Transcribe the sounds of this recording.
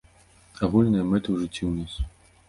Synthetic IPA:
aɣulʲnɐjɐmɛt̪ɨwʐɨt͡sʲːiwnʲas

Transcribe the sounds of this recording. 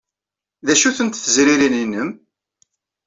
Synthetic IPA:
ðæʃuθənt̪θəzɾiɾininːəm

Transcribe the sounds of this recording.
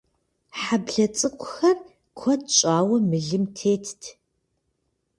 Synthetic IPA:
ħabɮɐt͡sʼɨkʷʰʼʊxɐr | kʷʰɔtɕʼaːwɐmɨɮɨmtʰeːtʰtʰ

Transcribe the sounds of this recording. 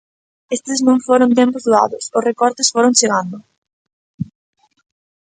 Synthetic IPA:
est̪ɪsnõŋfoɾʊ̃nt̪̬empʊzðua̰ðʊsʊsrekɔɾt̪ɪsfoɾʊŋt͡ʃeɣand̪ʊ

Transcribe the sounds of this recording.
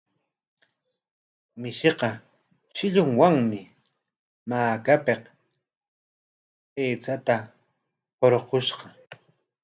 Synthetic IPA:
mɪʃeqɑ | ʃɪʎʊŋwaŋmɪ | maːkapeq | eːt͡sat̪a | qoɾoqoʃqɑ

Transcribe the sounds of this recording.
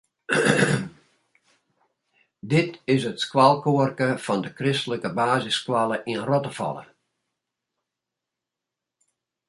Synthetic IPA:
dɪtɪsətskwalˠkoərkəfɔndəkrɪstələkəbaːzɪskwalˠəʔinərɔtəfɑ̰lˠə̰

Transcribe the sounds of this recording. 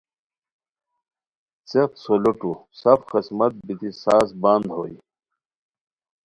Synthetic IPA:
t͡set̪soluʈusɐfxismɐt̪̚bit̪isaːsband̪ɦoːḭ

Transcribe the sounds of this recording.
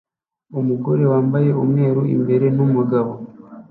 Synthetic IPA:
omuɡo̞ɾe̞waːmbaje̞omwe̞ːɾuḭmbe̞ɾe̞nomuɡaβo

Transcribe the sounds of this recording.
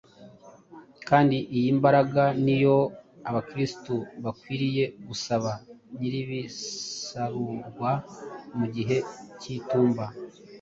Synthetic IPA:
kaːndiʔijimbaɾaɡanijo̞ | aβakɾistuβakwiːɾije̞ɡusaβaniɾiβisaɾuɾɡwamuɟiɦe̞cituːmba

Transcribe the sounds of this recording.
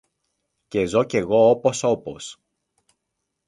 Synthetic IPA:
ce̞zo̞ce̞ɣo̞opo̞so̞po̞̰s

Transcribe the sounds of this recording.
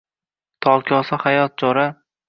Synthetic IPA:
t̪ʰɒlˠkʲʰɒsahajɒt̪̚d͡ʒɒɾa

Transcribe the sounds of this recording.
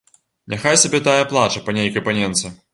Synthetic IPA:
nʲɛxajsʲabʲɛt̪ajɐplˠat͡ʂɐpɐnʲejkɐjpɐnʲɛnt̪sɨ

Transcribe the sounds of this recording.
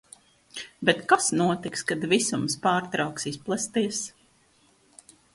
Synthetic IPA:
bɛt̪kasnuɔt̪ikskad̪visumspaːɾt̪ɾawksisplˠast̪iɛs

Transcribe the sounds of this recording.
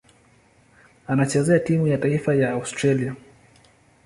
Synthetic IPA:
anat͡ʃɛzɛatimujataifajaːustɾalia

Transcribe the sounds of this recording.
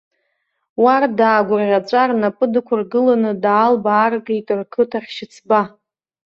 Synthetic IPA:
wardaːɡʷʊrʁʲat͡ʃʷʼarnapʼɨdɨkʷʰʊrɡɨlanɨdaːlbaːrɡejtʼɨrkʰɨtʰaχʲʃɪt͡sʰba

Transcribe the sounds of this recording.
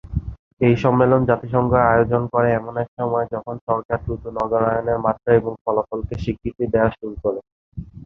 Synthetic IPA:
ejʃɔmːelond͡ʑat̪iʃ̬ɔŋɡoajod͡ʑonkɔɾeɛmonɛkʃɔmɔed͡ʑɔkʰonʃɔɾkaɾd̪ɾut̪unɔɡoɾajoneɾmat̪ɾaeboŋfɔlafolkeʃikʰɾit̪id̪eaʃuɾukoɾe

